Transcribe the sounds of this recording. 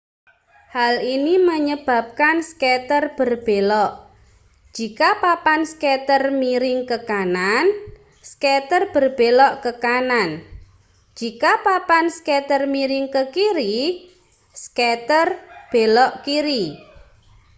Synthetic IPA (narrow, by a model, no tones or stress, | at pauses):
haliniməɲəb̥a̤p̚kanskɛt̪ərb̥ərb̥elɔʔ | d͡ʒ̥ikapapanskɛt̪ərmiɾɪŋkəkanan | skɛt̪ərb̥ə̤rb̥elɔʔkəkanan | d͡ʒ̥ikapapanskɛt̪ərmiɾɪŋkəkiɾi | skɛt̪ərb̥elɔʔkiɾi